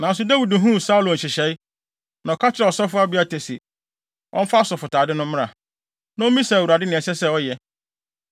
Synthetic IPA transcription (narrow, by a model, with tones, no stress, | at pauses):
nã˨n̩˦s̬ʊ˨da˦wi˨dɦũ˦˨sa˦u˦lõ˨ɕɪ˨ɕɛ˨˦i˦ | nã˨ɔ˨kʰa˦t͡ɕʰɪ˦ɾɔ˨sɔ˦fʊ˦a˦bi˦a˦tʰe˨si˨ | ʔɔ̰̃˦m̩˦fa˦sɔ˨fʊ˨tʰaː˨dɪ˦nʊ̃˦m̃˦ã̰˨ | nã˦o˦mĩ˦sa˨wu˨ɾa˨dɪ˦nɪ̃˨ɛ˨sɛ˦sɛ˦ɔ˦jɛ˨